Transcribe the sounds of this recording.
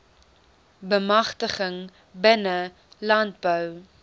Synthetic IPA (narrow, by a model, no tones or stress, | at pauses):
bəmɐχtəχəŋ | bənə | lɐnt̚bœw